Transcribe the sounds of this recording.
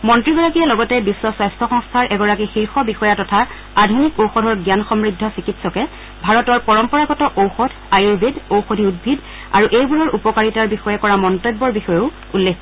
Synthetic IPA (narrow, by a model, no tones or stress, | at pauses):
mɔntɹiɡɔɹakijalɔɡɔtɛbisːɔswajstʰɔxɔŋstʰaɹʔɛɡɔɹakixiɹxɔbixɔjatɔtʰa | adʱunikowxɔdʱɔɹɡjanxɔmɹidʱːɔsikitsɔkɛ | bʱaɹɔtɔɹpɔɹɔmpɔɹaɡɔtɔʔowxɔdʰʱajiɹbedowxodʱiudbʱid | a̰ɹuʔejbuɹɔɹʔupɔkaɹitaɹbixɔjɛkɔɹamɔntojbːɔɹbixɔjeʊ | ulːekʰ